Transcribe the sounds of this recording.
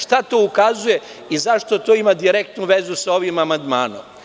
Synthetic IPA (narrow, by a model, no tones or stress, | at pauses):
ʃt̪at̪oukazuje̞ | izaʃt̪o̞t̪o̞imad̪iɾek̚t̪nuʋe̞zusao̞ʋimamand̪maːno̰m